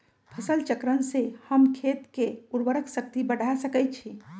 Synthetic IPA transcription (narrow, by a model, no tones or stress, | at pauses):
pʰəsəlt͡ʃəkɾənsehəmkʰet̪keuɾbəɾəksək̚t̪ibəɽ̤ʱasəkət̪̚t͡ʃʰi